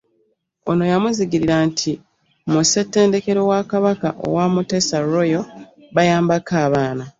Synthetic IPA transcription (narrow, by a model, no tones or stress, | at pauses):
o̞̰no̞jamuziɡiɾiɾantʰi | muse̞tːe̞ːnde̞ke̞ɾo̞wakaβakaʔo̰waːmute̞ːsaɾo̞jo̞ | βajaːmbakaːβaːna